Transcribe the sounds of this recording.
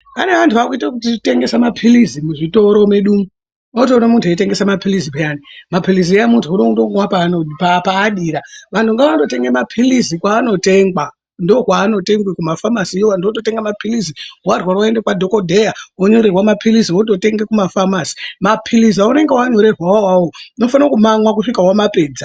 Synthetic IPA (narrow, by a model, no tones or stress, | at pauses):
a̰ne̞ʋantʰuʋakuitakut̬it͡ʃte̞ŋɡe̞samapʰilizimuʐito̞ɾomeɗuːmu | otoːnamuntʰueite̞ŋɡe̞samapʰilizipejanimapiliziejamuntʰuunoutoŋɡwapaːnopapaːɗiːɾaʋantʰuŋɡaʋato̞te̞ŋɡemapʰilizikwaːno̞te̞ŋɡwa | ndoɦwaːno̞te̞ŋɡwikumafamasiijowandoototeŋɡamapʰiliziwarwarwaendekwadʱoko̞dʱejawoɲo̞ɾerwamapʰiliziwot̬ote̞ŋɡekumafamasi̥mapʰilizaune̞ŋɡewaɲo̞ɾe̞rwawawoino̞fankumamwak̬uʂikawamapeːd͡za